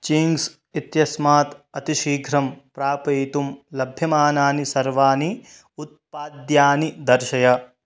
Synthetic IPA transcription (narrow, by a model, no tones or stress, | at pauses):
t͡ʃiŋɡs | it̪jɐsmaːt̪ɐt̪iʃiːɡʱɾɐmpɾaːpɐjt̪umlɐbʱjɐmaːnaːnisɐɾʋaːni | ut̪̚paːd̪jaːnid̪ɐɾʃɐjɐ